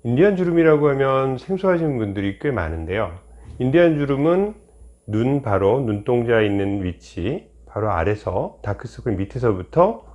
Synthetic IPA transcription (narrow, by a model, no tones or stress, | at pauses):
indiɦand͡ʑuɾɯmiɾaɡoɦamjʌnsʰe̞ŋsʰuɦaɕʰinɯnbundɯɾik͈ema̰nɯnde̞joindiɦand͡ʑuɾɯmɯnː | unpaɾonunt͈oŋd͡ʑainːɯnɥit͡ɕʰi | paɾoa̰ɾe̞sʰʌtakʰɯs͈ɯkʰɯmitʰɯsʰʌbutʰʌ